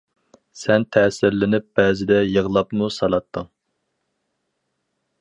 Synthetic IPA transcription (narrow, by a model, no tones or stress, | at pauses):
sɛnt̪ʰɛːsɪɾlɪnɪp̚b̥ɛːzɪd̪ɛjəʁlˠɑpmusɑlˠɑt̪ʰːɨŋ